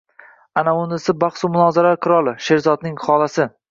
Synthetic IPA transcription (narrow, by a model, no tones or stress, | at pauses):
anaʊnd̪ɪsɪbɑχsumʊnɒzaɾaɾqʰɨɾɒlˠɪʃe̞ɾzɒd̪nɪŋχɒlˠasɪ